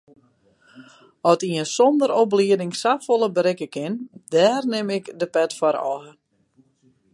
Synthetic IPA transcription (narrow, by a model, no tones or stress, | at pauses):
ɔtiənsondəɾopliədɪŋsafolˠəbəɾɪkəkɪndɛːrnɪmɪkdəpɛtfɔɾɔ̰ɦə